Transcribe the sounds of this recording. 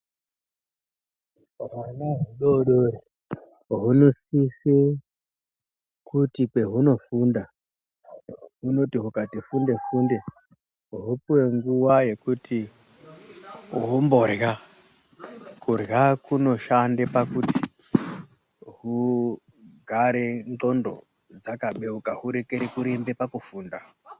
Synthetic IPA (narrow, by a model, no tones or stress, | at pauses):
wanaɦuɗoɗore | ɦunosise | kutikwe̞ɦuno̞funda | ɦuno̞tiɦukatifunde̞funde | ɦupuwe̞ŋɡuwaje̞kutʰi | ɦombo̞rɣa | kurɣakuno̞ʃandepakuti̥ | ɦu | ɡʱaɾenǃo̞ndo̞̰ | d͡zakaɓe̞ukaɦuɾekeɾekuɾimbe̞pakufuːnda